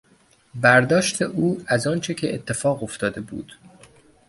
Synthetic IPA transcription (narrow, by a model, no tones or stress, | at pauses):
bæɾd̪ɒːʃt̪ʰe̞ʔuːæzɒːnt͡ʃʰecʰeʔeːt̪ʰːe̞fɒːɣo̞ft̪ʰɒːd̪e̞bṵːd̪̥